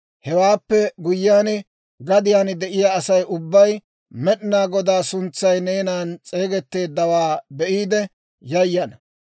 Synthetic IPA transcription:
hɛwaːpːɛɡʊjːɪːaːn | ɡɐd̪ɪjaːnd̪ɛʔɪjaɐsɐjʊbːɐj | mɛɗɪnaːɡɔd̪aːsʊnt͡sːɐjneːnaːnt͡sʼe̞ːɡɛt̪ːe̞ːd̪ːɐwaːbɛʔiːd̪ɛ | jɐjːɐnɐ

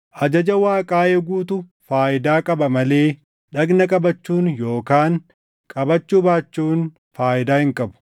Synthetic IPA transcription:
ʔɐd͡ʒɐd͡ʒɐwaːkʼaːʔeːɡuːt̪ʊ | faːʔɪd̪aːkʼɐbɐmɐle̞ː | ᶑɐɡnɐkʼɐbɐt͡ʃːuːnjoːkaːŋ | kʼɐbɐt͡ʃːuːbaːt͡ʃːuːn | faːʔɪd̪aːhɪŋkʼɐbʊ̥

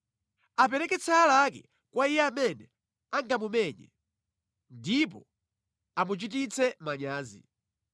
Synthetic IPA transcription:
ap̬ɛɾɛkɛt͡sʰaːlakɛ̰ | kwaijɛamɛnɛ | aŋɡamumɛɲɛ̰ | ndip̬ɔ | amut͡ʃit̬it͡sʰɛmaɲaːzḭ

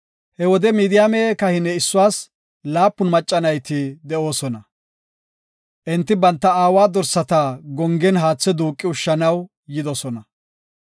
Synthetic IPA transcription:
hɛwɔd̪ɛmiːd̪ɪjameːkɐhɪnːɛɪsːʊwaːs | laːpːʊnmɐt͡ʃʼːɐnɐjt̪ɪd̪ɛo̞ːsɔnɐ | ʔɛnt̪ːɪbɐnt̪ːɐaːwaːd̪ɔɾsːɐt̪ɐɡɔŋɡɛnɦaːt͡sːɛd̪uːkʼːɪʊʃːɐnɐw | jɪd̪ɔsɔnɐ

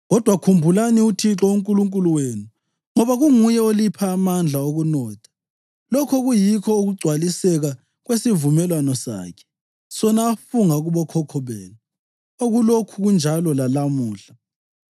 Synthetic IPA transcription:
ɣɔd̥ʱwakʰumbʱulaniutʰit͡ɬɔuŋkʼuluŋkʼuluweːnu | ŋɔβaɣuŋujɛolipʰaːmand͡ɮʱaoɣunɔːtʰḁ | lɔkʰɔɣujikʰɔoɣuɡ͡ǀʱwalisɛɣa | ɣwesivumɛlwanɔsa̰ːkʰɛ̥ | sɔnaːfuŋaɣuβɔkʰɔkʰɔβɛːnɛ | oɣulokʰuɣund͡ʒʱalɔlalamuːɬa

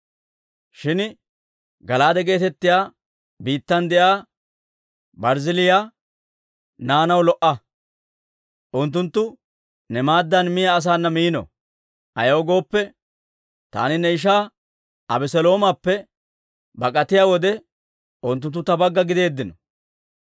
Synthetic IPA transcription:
ʃɪn | ɡɐlaːd̪ɛɡe̞ːt̪ɛt̪ːɪjaː | biːt̪ːɐnd̪ɛʔaː | bɐɾzɪlɪjaː | naːnɐwlɔʔɐ | ʔʊnt̪ːʊnt̪ːʊ | nɛmaːd̪ːɐnmɪjaːs̬aːnːɐmijːnɔ̰ | ʔɐjɐːɡo̞ːpːɛ | t̪a̰ːnɪnɛɪʃ̬aː | ɐbɛsɛlo̞ːmapːɛ | bɐkʼɐt̪ɪjaːwɔd̪ɛ | ʊnt̪̬ːʊnt̪ːʊt̪ːɐbɐɡːɐɡɪd̪e̞ːd̪ːɪnɔ

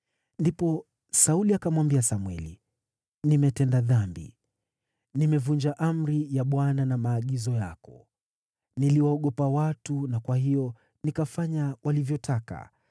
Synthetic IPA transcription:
ndipɔ | sauliakamwambiasamwɛ̰lḭ | nimɛtɛndaðambḭ | nimɛvund͡ʒaʔam̩ɾijaɓwananamaːɠizɔjakɔ | niliwaːɠɔpawatunakwahijɔ | nikafaɲawʔalivjɔtʰaka̰

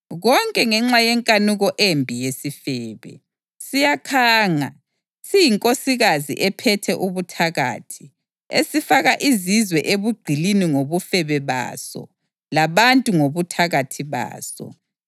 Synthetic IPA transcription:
ɣɔŋkʼɛŋɛŋ͡ǁajɛŋkʼanuɣɔʔembʱijesifɛːβɛ̰ | sijakʰaːŋa | sijiŋkʼosiɣazḭʔɛpʰɛtʰɛʔuβutʰaɣa̰ːtʰi̥ | esifaɣaʔizizwɛʔeβuɡ͡ǀʱiliniŋoβufɛβɛβa̰ːsɔ̰ | laβantʼuŋoβutʰaɣatʰiβa̰ːsɔ̰

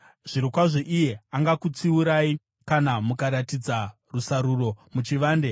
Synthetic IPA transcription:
ʐ̥iɾokwaʐeʔije̞aŋɡakut͡siuɾai | kanamukaɾatid͡za | rusaɾuro̞mut͡ʃiʋaːnde

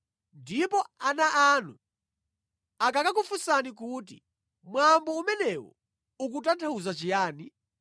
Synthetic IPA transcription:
ndipɔanaʔanu | akakak̬ufusanik̬uti | mwambɔumɛnɛwɔ̰ | uk̬utantʰauzat͡ʃijaːni

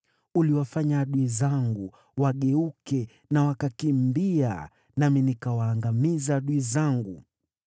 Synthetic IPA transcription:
uliwafaɲaːɗuizaŋɡu | waɠɛukɛ | nawakakimbia̰ | naminikawaːŋɡamizaːɗuizaŋɡu

